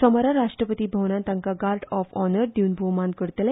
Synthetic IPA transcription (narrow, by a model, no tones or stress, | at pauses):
sɔmɔɾaɾaʂʈɾəpət̪iːbʱəwnãnt̪aŋkaɡaɾɖɔfɔnəɾd̪iunbʱowmãnd̪̚kəɾt̪ele